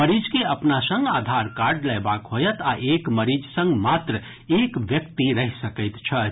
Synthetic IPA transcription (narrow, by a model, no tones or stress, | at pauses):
məɾid͡ʒkeəpnasə̃ŋɡad̪ʱaɾkaɾɖləɪbakɦojət̪aʔekməɾid͡ʒsə̃ŋɡmat̪ɾə | ekʋjəkt̪iɾəɦisəkəjt̪t͡ʃʰə